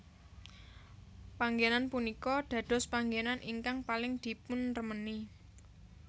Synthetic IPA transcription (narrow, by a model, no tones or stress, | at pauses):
paŋɡenanpunikɔɖ̪̥ä̤d̪̥ɔ̤spaŋɡenanʔiŋkaŋpalɪŋd̪̥i̤pʊnrəməni